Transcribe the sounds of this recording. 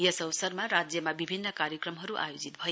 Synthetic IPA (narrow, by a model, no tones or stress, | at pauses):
jʌsʌwsʌrmaɾad͡zjʌmabibʱinːʌkaɾjʌkrʌmɦʌɾuʔa̰jod͡zit̪bʱʌje